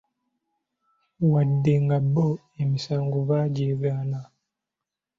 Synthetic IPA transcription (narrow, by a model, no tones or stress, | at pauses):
wadːeŋɡabo | emisaːŋɡoβaːɟeːβaːna